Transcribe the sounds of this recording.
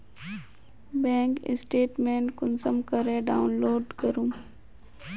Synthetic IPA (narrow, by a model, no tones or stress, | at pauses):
bẽːŋkɪ̰sʈeːʈmẽːnʈkʊnsəmkəɾẽɖaːʊnloːɖkəɾũː